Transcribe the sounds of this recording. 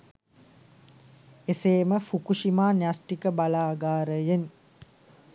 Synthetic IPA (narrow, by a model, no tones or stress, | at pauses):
eseːməfukuʃimaːnasʈikəbalaːɡaːɾəjen